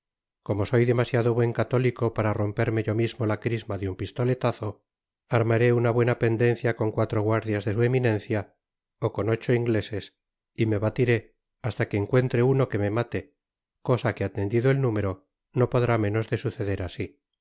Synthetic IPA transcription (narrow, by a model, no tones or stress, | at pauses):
ko̞mo̞so̞jðe̞masjaðoβwe̞ŋkat̪o̞liko̞paɾaro̞mpe̞ɾme̞ʝo̞mizmo̞lakɾizmaðeumpist̪o̞le̞t̪aθo̞ | aɾmaɾe̞unaβwe̞nape̞nd̪e̞n̟θjako̞ŋkwat̪ɾoɣwaɾðjazðe̞sue̞minẽ̞n̟θja | oko̞no̞t͡ʃo̞iŋɡle̞se̞s | ime̞βat̪iɾe̞ | ast̪ake̞ːŋkwe̞nt̪ɾe̞uno̞ke̞me̞mat̪e̞ | ko̞sake̞at̪e̞nd̪iðoe̞lnume̞ɾo̞ | no̞po̞ðɾamẽ̞no̞zðe̞suθe̞ðe̞ɾasi